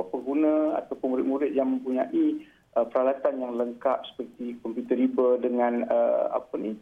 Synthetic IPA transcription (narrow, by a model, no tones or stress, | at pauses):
pəŋɡunãa̰t̪awpʊnmuɾɪt̪̚muɾɪt̪̚jaŋmə̃mpuɲaʔi | əpəɾalat̪anjaŋləŋkap̚sə̥pərt̪ikɔmpjut̪əɾibədəŋãnə̰a̰pəni